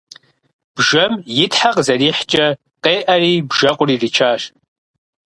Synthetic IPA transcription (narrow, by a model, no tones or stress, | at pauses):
b̥ʒɐmjɪtħaqzɐriːħt͡ʃʼɐ | qeːʔɐriːbʒɐqʷʊriːdit͡ʃʰaːʃ